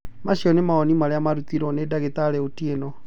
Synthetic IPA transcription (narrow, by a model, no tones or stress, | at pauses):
maɕiɔnemaɔnimaɾeamaɾut̪iɾɔnedaɣetaɾɛotienɔ